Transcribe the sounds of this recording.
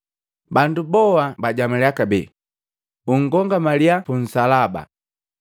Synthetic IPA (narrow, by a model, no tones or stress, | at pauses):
bandubɔwabaɟamalɛakabɛ̰ | uŋ̩ɡɔŋɡamaliapun̩salaba̰